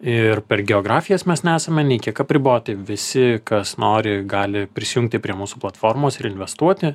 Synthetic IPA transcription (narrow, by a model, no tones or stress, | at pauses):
ɪrpʲɛrɡʲɛoːɡɾɑːfʲɪjɛsmʲɛsnʲɛæːsɐmʲɛnʲɛɪkʲiɛkɐpʲɾʲɪboːt̪ɐɪʋʲɪsʲɪkɐsnoːɾʲɪɡɑːlʲɪpʲɾʲɪsʲɪjʊŋk̚t̪ʲɪpʲɾʲiɛmuːsuːplˠɐt̪foːrmoːsɪɾɪnʲʋʲɛst̪uɔt̪ʲɪ